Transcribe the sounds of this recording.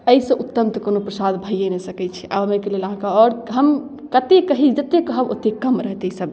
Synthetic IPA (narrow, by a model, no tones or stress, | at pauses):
əisə̃ʔut̪ːəmt̪əkonopɾəsad̪bʱəjenesəkɛt͡ʃʰi̥ʔa̰bəmekeleləɦãkaɔːɾɦəm | kət̪ekəɦid͡ʒət̪ekəɦəbo̰t̪ekəmɾəɦt̪eisəb